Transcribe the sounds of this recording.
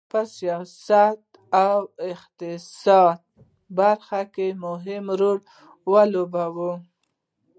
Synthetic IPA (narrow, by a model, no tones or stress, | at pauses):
pəsijɑsat̪ | awɪxt̪ɪsɑd̪̚ | baɾxakemʊɦɪmɾoɽ | wəlobawu